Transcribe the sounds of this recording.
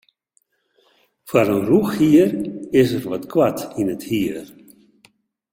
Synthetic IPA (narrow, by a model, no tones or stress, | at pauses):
fwaɾənruxhiərɪsərʋɔtkʰwatinəthiər